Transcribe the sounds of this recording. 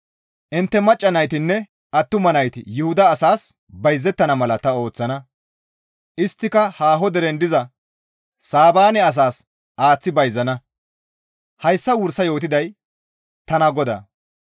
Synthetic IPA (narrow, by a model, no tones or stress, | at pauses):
ʔɪnt̪ːɛmɐt͡ʃʼːɐnɐjt̪ɪnːɛ | ɐt̪ːʊmɐnɐjt̪ɪjʊhʊd̪ɐːsaːs | bɐjzːɛt̪ːɐnɐmɐlɐt̪ɐo̞ːt͡sːɐnɐ | ʔɪst̪ːɪkɐhaːɦɔd̪ɛɾɛnd̪ɪzɐ | saːbaːnɛɐs̬aːs | ʔaːt͡sːɪbɐjzːɐnɐ | hɐjsːɐwʊɾsɐjo̞ːt̪̬ɪd̪ɐj | t̪ɐnɐɡɔd̪ɐ̰ː